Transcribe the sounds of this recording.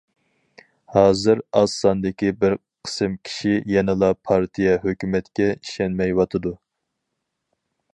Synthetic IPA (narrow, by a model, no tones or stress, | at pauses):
hɑːzɨɾɑsːɑnd̪ɪkʲibɪɾ | qʰə̥sɨmkʲʰi̥ʃijɛnɨlˠɑpʰɑɾt̪ʰijɛɦøkʲymɛt̪kʲɛiʃɛnmɛjwɑt̪ʰɨd̪u